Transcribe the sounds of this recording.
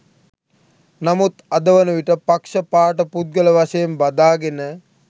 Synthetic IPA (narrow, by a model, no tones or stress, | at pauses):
namut̪ad̪əʋənəʋiʈəpakʂəpaːʈəput̪̚ɡələʋaʃəjembad̪aːɡenə